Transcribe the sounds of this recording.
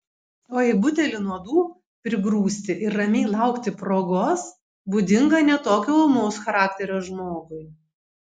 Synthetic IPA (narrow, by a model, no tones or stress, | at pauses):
oːjɛɪbʊt̪ʲɛlʲɪnuɔd̪uː | pʲɾʲɪbɾuːsʲt̪ʲɪʔɪɾːɐmʲeɪlˠɑˑʊkt̪ʲɪpɾoːɡoːs | buːd̪ʲɪŋɡɐnʲɛt̪oːkʲoːʊlˠmɔʊsxɐɾɑːk̚t̪ʲɛɾʲoːʒmoːɡʊɪ